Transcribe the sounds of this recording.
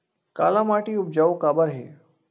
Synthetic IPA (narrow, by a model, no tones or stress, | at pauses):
ka̰ːlãmaːʈiʊp̚d͡ʒaːokaːbəɾɦḛː